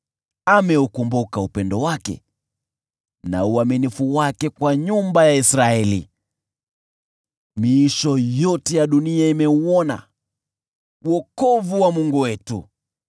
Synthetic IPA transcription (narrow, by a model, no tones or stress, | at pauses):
amɛukumbukaupɛndɔwakɛ̰ | na̰uaminifuwakɛkwaɲumbajaisɾaɛlḭ | miiʃɔjɔtɛjaɗuniaimɛuɔna̰ | wɔkɔvuwamuŋɡuwɛtu